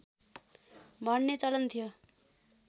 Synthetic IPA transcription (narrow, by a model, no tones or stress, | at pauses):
bʱʌnːet͡sʌlʌnt̪ʰijo